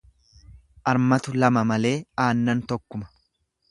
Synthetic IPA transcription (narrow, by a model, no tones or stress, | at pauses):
ʔɐɾmɐt̪ʊlɐmɐmɐle̞ːaːnːɐnt̪ɔkːʊmɐ̥